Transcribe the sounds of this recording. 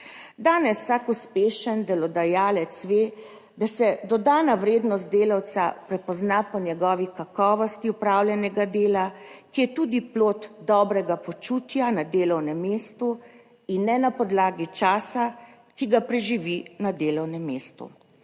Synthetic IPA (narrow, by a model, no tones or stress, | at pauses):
d̪aːnɛsːakuspeːʃənd̪ɛlɔd̪ajaːlɛt̪sʋeː | d̪asɛd̪ɔd̪aːnaʋɾeːd̪nɔst̪̚d̪eːlawt̪sapɾɛpɔznapɔnjɛɡɔʋikakɔːʋɔst̪iupɾaːwljʲɛnɛɡad̪eːlakijɛt̪uːd̪iploːt̪d̪ɔːbɾɛɡapɔt͡ʃuːt̪janad̪eːlɔwnɛmːeːst̪u | inːɛnapɔd̪laːɡit͡ʃaːsa | kiɡapɾɛʒiʋinad̪eːlɔwnɛmːeːst̪ṵ